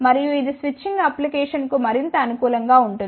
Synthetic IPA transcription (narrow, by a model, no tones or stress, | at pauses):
mɐɾijuid̪isʋit͡ʃːiŋɡɐːplikɛːʂɐnkumɐɾint̪ɐːnukuːlɐŋɡaːuɳʈun